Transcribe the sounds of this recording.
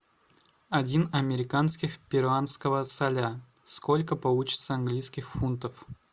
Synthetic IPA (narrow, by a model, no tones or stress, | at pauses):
ɐdʲinɐmʲɪɾʲɪkanskʲɪxpʲɪɾʊanskəvəsɐlʲa | skolʲkəpɐlˠut͡ɕɪ̥t̪səɐnɡlʲijskʲɪxfunt̪əf